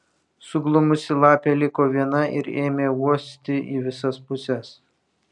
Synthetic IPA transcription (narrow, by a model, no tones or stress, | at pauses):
sʊɡlˠʊmʊsʲɪlˠɑːpʲelʲɪkoːʋʲiɛnɐʔɪ̰ɾeːmʲeːuɔsʲt̪ʲɪʔḭʋʲɪsɐspʊsʲɛs